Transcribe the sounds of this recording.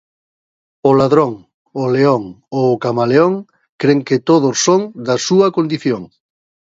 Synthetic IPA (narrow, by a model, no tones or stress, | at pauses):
ʊlaðɾoŋ | ʊleoŋoːkamaleoŋ | kɾeŋket̪oð̞ʊsːoŋd̪ɐsuɐkond̪iθjoŋ